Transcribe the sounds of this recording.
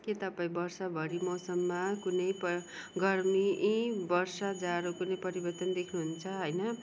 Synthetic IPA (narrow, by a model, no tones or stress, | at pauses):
ket̪ʌpaĩbʌrsʌbʱʌɾimʌwsʌmːakunʌjpʌɡʌrmiʔbʌrsʌd͡zaɾokunʌjpʌɾibʌrt̪ʌnd̪ekʰnuɦunt͡sʰʌɦʌjnʌ